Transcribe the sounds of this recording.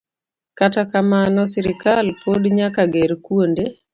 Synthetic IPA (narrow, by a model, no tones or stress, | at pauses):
katakamanɔsɪɾɪkalpʰodɲakaɡeɾkwonde